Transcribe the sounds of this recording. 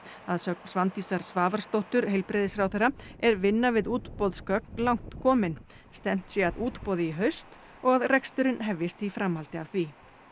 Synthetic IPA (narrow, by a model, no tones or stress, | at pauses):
aðsœk̚nsvant̪isaɾ̥svaːvaɾ̥st̪owht̪ʏɾhejlpɾɪðɪsfɾawθejrːaɛɾvɪnːavɪðuːt̪pɔðskœknlawŋ̥t̪kʰɔːmɪn | st̪ɛn̥t̪sjɛaðuːt̪pɔːðɪiɦœɥst̪ | ɔɣaðrɛkst̪ʏɾɪnɦɛvjɪst̪ifɾamhalt̪ɪavθvi